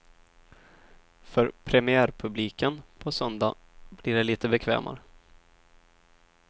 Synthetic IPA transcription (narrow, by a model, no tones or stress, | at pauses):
fœɾpʰɾɛmɪæːɾpʰɵbliːkənpʰɔsœnd̪a̰ | blɪɖɛliːt̪əbɛkʰvḛːmʔa̰ɾə